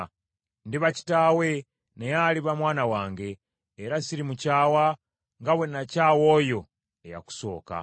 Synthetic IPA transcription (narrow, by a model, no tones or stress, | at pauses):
ndiβaci̥taːwe̞ | ne̞jaliβamwaːnawaːŋɡe̞ː | ɾasiɾimucaːwa | ŋɡaβwe̞nacaːwo̞jo̞ | eja̰ku̥so̞ːka̰